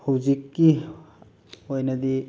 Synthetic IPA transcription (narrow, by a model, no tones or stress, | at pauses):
hɐwzikːi | ojnɐd̪i